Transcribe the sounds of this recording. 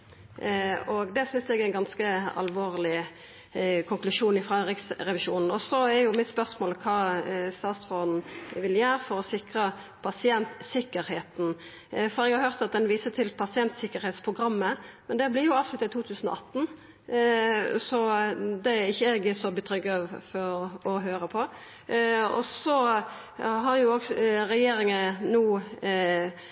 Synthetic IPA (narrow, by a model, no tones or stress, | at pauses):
ɔɡd̪ɛsʏnsɛɡæɪnɡɑnskəɑ̰lʋoːʁlɪ | kʰʊŋklʉʂuːnɪfʁɑʁɪksɾɛʋɪʂuːnn̩ɔsɔæɾjʊmɪt̪spœʁsmoːlkʰɑːst̪ɑːt̪st̪ʁoːd̪n̩ʋɪljæːɾfɔɾɔsɪkɾə | pʰɑsɪɛnt̪sɪkːəɾheːt̪n | fɔɾɛɡhɑɾhœʁt̪ɑt̪̚d̪ɛnʋiːsət̪ʰɪlpʰɑsɪɛnt̪sɪkːəɾheːt̪spʰʁʊɡɾɑmːəmɛnd̪ɛblɪʁjʊɑːʋslʉt̪əɪt̪ʰuːt̪ʰʉːsən̩ɔ̰ʔɑt̪ːn̩ | sɔd̪ɛæɪçːəɛɡɛsɔbət̪ʰɾʏɡːɑʋfɔɾɔɦøːɾəpʰɔ | ɔ̰sɔ | ɦɑɾjʊoːɡɾɛjeːɾɪŋənuː